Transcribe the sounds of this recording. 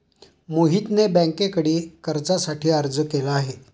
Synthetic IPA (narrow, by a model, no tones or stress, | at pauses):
moɦiːt̪nebɛ̃ŋkekəɽiːkəɾd͡zasaʈiːəɾd͡zəkelaːɦe